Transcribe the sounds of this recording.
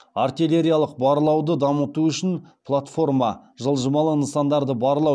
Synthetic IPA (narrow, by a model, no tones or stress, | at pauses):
art̪ilʲe̞ɾʲijalˠəq̚bɑɾəlˠɑwd̪əd̪ɑmət̪uʏʃɪnpʰlˠat̪fo̞rmɑʒəlˠʒəmɑlˠəənsɑnd̪ɑɾd̪əbɑɾəlˠɑw